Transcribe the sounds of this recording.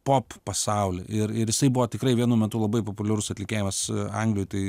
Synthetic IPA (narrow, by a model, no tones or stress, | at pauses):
poːppɐsɐʊlʲɪʔɪɾɪɾjɪsɐɪbʊʋoːt̪ʲɪkɾɐɪʋʲiɛnuːmʲɛt̪uːlˠɐbɐɪpopʊlʲɛɾʊsɐt̪ʲlʲɪkʲeːjɪmɐsɐŋɡlʲɪjʊt̪ɐɪ